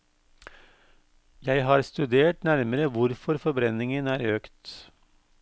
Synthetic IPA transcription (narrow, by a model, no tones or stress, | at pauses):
jæɪɦɑːɾst̪ʉd̪eːʈnæɾməɾəʋʊɾfɔɾfɔɾbɾɛnɪŋənæːɾøːkt̪